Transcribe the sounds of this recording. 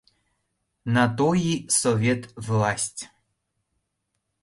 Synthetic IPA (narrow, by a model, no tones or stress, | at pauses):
nat̪ɔjisɔvʲet̪vlˠasʲtʲ